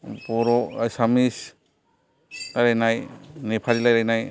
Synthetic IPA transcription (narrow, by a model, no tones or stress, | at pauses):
pɔɾɔasamis | aɾajnajnepʰaɾilajɾajnaj